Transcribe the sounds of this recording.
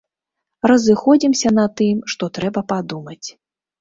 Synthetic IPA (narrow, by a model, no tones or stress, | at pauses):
rɐzɨxɔd͡zʲimsʲɐnɐt̪ɨmʂt̪ɔt̪ɾɛbɐpad̪umɐt͡sʲ